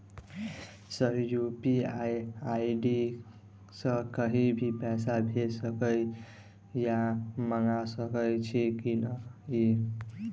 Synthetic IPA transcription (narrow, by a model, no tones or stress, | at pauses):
səjupiaaiɖi | sə̃kəɦibʱipɛsabʱesəkəj | jaməŋasəkəjt͡ʃʰikinəi